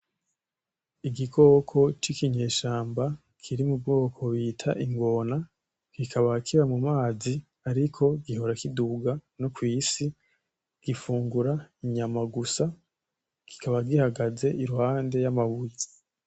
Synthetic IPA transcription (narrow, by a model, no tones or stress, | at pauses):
iɡikʰo̞ːkʰo̞t͡ʃikiɲe̞ːʃaːmba | kʰiɾimubɡo̞ːkʰo̞βiːtʰaʔiŋɡo̞na | kikʰaβakiɾamumaːzi | aɾikʰo̞ɡiɦo̞ɾakiduɡanokwiːsi | ɡ̥ifuːŋɡuɾaiɲamaɡusa | ki̥kaβaɡihaɡaze̞ʔiɾuhaːnde̞jamaβuje